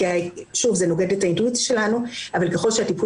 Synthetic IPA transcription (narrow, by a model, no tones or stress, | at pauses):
ajʃuvzeno̞ɡedetaintuit͡sjḁʃe̞lanuavalke̞χo̞lʃeatipu